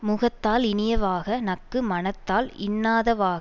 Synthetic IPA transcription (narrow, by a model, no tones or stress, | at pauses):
mʊɣɐt̪ːaːlɪnɪjɐʋaːɣɐnɐkːɯmɐnɐt̪ːaːlɪnːaːðɐʋaːɣ